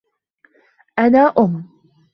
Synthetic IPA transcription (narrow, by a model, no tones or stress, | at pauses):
ʔanaːʔʊmː